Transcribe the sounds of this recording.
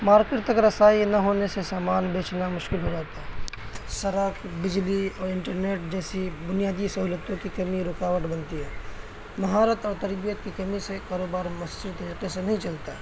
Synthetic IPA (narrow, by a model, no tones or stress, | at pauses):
maːɾkɪʈt̪ɐkɾɐsaːinɐɦoːnesesaːmaːnbeːt͡ʃnamʊʃkɪlɦod͡ʒaːt̪aɦɛːsɐɾəkʰbɪd͡ʒliɔːɾɪ̃ɳʈəɾneːʈd͡ʒɛːsibʊnijaːd̪isɐɦuːlət̪õkikɐmiɾʊːkaːʋəʈbɐnt̪iɦɛː | mɐɦaːɾət̪ɔːɾt̪ɐɾbijət̪kikɐmisekaːɾoːbaːɾmɐsd͡ʒɪd̪̚t̪ɐɾiːqesenɐɦĩt͡ʃɐlt̪aɛ